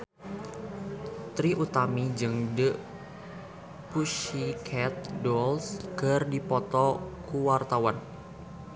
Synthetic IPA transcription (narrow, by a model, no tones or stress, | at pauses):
t̪ɾiʔut̪amid͡ʒɨŋdəʔ | puʃikʰɛt̪̚dɔlskərdipɔt̪ɔkuwart̪awan